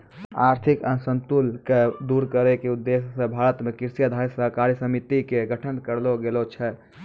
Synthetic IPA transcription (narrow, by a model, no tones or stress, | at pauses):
aɾt̪ʰikənsənt̪ulked̪uɾkəɾekeud̪ːesːəbʱaɾət̪mekiɾsijad̪ʱaɾisəɦkaɾjəsəmit̪ikeɡəʈʰənkəɾloɡelot͡ʃʰɛ